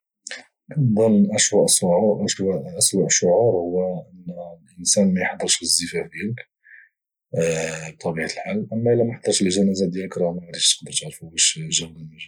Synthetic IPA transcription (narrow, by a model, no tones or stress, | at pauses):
d̪ˤɑnʔəʃwæʔsʕʔʔəswæʔʃʊʕuɾhʊwːæʔənːlʔənsænmæjħd̪ˤəɾʃəzːəfæfd̪jælək | b̚t̪ˤːɑbiʕaəlħalːʔəmːæʔəlːæmaħd̪ˤəɾˤʃəlʒænæzæd̪jæləkɾˤɑhmaɾˤit̪ə̥qd̪əɾˤt̪aʕɾfubæʃʒæwləmæʒ